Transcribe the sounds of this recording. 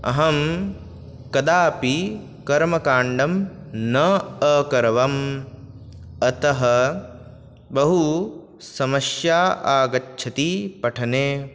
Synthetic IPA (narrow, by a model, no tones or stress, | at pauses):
ɐ̰ɦɐm | kɐd̪aːpi | kɐɾmɐkaːɳɖɐmnɐɐkɐɾɐʋɐm | ɐt̪ɐɦɐ | bɐɦu | sɐmɐʃjaːaːɡɐtːʃʰɐt̪ipɐʈʰɐneː